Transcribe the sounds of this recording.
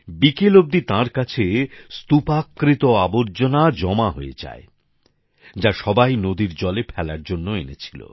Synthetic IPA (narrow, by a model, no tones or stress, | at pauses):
bikelob̚d̪it̪ãɾkat͡ɕʰest̪upakːɾit̪oaboɾd͡ʑonad͡ʑɔmaɦoed͡ʑa̰e | d͡ʑaʃɔbajnod̪iɾd͡ʑɔlepʰɛlaɾd͡ʑonːoenet͡ɕʰilo̰